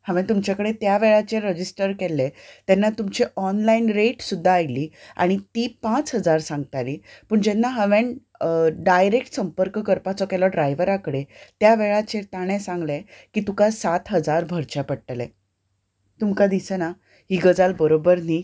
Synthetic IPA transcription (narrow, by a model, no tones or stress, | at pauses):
həʋẽnt̪umt͡ɕjakəɽet̪jaʋeɭat͡ɕeɾəd͡ʑisʈəɾkelːet̪ɛnːat̪umt͡ɕiʔɔnlainɾeʈsud̪ʱːaːjliːa̰ɽ̃it̪ipãt͡sɦəd͡zaɾsãŋɡt̪aliːpəːɳd͡ʑɛnːaɦəʋeɳ | ɖajɾek̚ʈsəmpəɾkkəɾpat͡sɔkɛlɔɖɾajʋəɾakəɽet̪jaʋeɭat͡ɕet̪aɽ̃ɛ̃sãŋɡlekiːt̪ukasat̪ɦəd͡zaɾbʱəɾt͡ɕapəɽʈəlḛ | t̪umkad̪isəna | ɦiːɡəd͡zalbəɾobəɾniː